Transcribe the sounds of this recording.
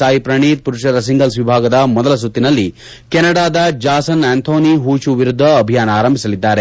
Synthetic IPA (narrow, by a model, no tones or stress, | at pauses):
aːjipɾɐɳ̃iːt̪̚puɾuʂɐɾɐs̬iŋɡɐlsʋibʱaːɡɐd̪ɐmɔd̪ɐlɐs̬ut̪ːinɐlːi | kɛnɐɽaːd̪ɐd͡ʒaːsɐnent̪ʰoːniɦuːt͡ʃuʋiɾud̪ʱːɐːbʱijaːnɐaːɾɐmbʱisɐlid̪ːaːɾe